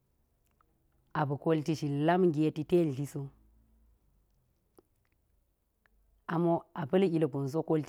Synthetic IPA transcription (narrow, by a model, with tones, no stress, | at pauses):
a˨bə˨ko˦lti˦ʃi˨la˦mɡi˨e˦ti˦te˦n˨ɬi˦so˦ | a˨mo˦a˨pɐ˦li˨lə˨ɡo˨n˨s̬o˦ko˦lt